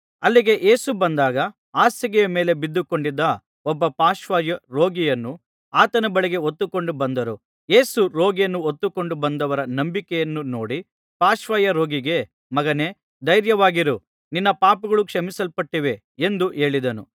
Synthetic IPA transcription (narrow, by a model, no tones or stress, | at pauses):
ɐlːiɡe̞ʔe̞ːsubɐnd̪aːɡɐ | aːsɐɡɛjɐmeːle̞bid̪ːukoɳɖid̪ːɐ | ɔbːɐpaːʃʋaːjɐɾo̞ːɡijɐnːu | aːt̪ɐnɐbɐɭiɡe̞ot̪ːuko̞ɳɖubɐnd̪ɐɾu | je̞ːsuɾo̞ːɡijɐnːuot̪ːuko̞ɳɖubɐnd̪ɐʋɐɾɐnɐmbikɛjɐnːuno̞̰ːɽi | paːʃʋajɐɾo̞ːɡiɡe̞ | mɐɡɐne̞ː | d̪ɐjɾjɐʋaːɡiɾu | ninːɐpaːpuɡɐɭukʂɐmisɐlpɐʈːiʋe̞ | end̪uʔe̞ːɭid̪ɐnu